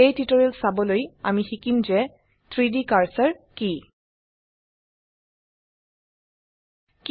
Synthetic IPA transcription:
ejtitɔɹilsabɔloja̰mixikimzɛ | t̪ʰɹidikaɹsaɹki | k

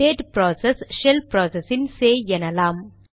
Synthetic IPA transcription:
eːʈpɾoːsesʃɛlpɾɔːsesɪnseːɛnɐlaːm

